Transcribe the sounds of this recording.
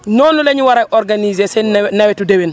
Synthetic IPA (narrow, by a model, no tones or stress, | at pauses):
nɔnːuleɲiwaɾajʔoɾɡanizesennawɛtudewin